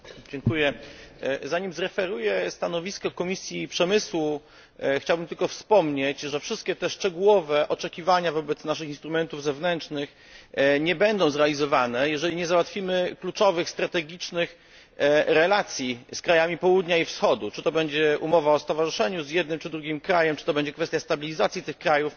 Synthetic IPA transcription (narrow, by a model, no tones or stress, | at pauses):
d͡ʑɛŋkujɛ | zaɲimzɾɛfɛɾujɛst̪anɔvʲiskɔkɔmʲisʲjipʂɛmɘswu | xt͡ɕawbɘmt̪ɘlkɔfspɔmɲet͡ɕʐɛfʂɘst̪̚kʲɛt̪ɛʂt͡ʂɛɡuwɔvɛʔɔt͡ʂɛkʲivaɲavɔbɛt̪snaʂɨxinst̪ɾumɛnt̪uvzɛvnɛnt͡ʂnɘx | ɲɛbɛnd̪ɔ̃w̃zɾɛalʲizɔvanɛjɛʐɛlʲiɲɛzawat̪fʲimɘklut͡ʂɔvɘxst̪ɾat̪ɛɡʲit͡ʂnɘx | ɾɛlat̪sʲjiskɾajamʲipɔwud̪ɲaifsxɔd̪ut͡ʂɘt̪ɔbɛɲd͡ʑɛʔumɔvaɔst̪ɔvaʐɨʂɛɲuzjɛd̪̚nɘmt͡ʂɘd̪ɾuɡʲimkɾajɛmt͡ʂɘ̥t̪ɔbɛɲd͡ʑɛkfɛst̪ʲjast̪abʲilʲizat̪sʲjit̪ɘxkɾajuf